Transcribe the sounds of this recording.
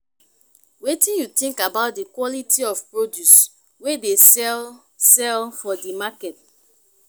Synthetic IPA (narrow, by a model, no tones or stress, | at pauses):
wetĩnjutĩŋkabaʊt̚dikwɔlitʰiɔfpɹodjus | wedesɛl | sɛlfɔdimakɛt̚